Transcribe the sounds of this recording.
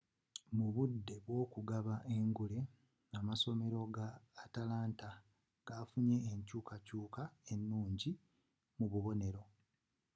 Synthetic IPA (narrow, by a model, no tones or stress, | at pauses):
muβudːe̞βwo̞ːkuɡaβaʔe̞ŋɡule̞ | namaso̞me̞ɾo̞ɡaːtalaːnta | ɡ̥aːfuɲe̞ːɲcuːkacuːkae̞nːuːɲɟi | muβuβo̞ne̞ɾo̞